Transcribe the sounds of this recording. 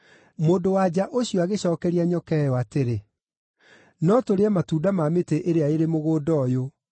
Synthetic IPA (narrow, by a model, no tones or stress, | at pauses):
moːndowad͡ʑaʔoɕiɔaɣeɕɔːkɛɾiaɲɔkɛjɔateɾe | nɔtoɾeamatuːdamameteʔeɾeaeɾemoɣoːdɔːjo